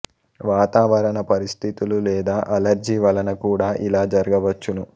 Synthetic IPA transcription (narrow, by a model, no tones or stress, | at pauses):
ʋaːt̪aːʋɐɾɐnɐpɐɾist̪ʰit̪ululɛːd̪aːʔɐlɐɾd͡ʒiːʋɐlɐnɐkuːɽaːʔilaːd͡ʒɐɾɐɡɐʋɐt͡ʃːunu